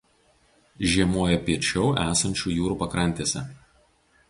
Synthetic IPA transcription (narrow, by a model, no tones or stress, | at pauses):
ʒʲiɛmuɔjɛpʲiɛt͡ʃʲɛʊʔæːsɐnʲt͡ʃʲuːjuːɾuːpɐkɾɐnʲt̪ʲiːsʲɛ̰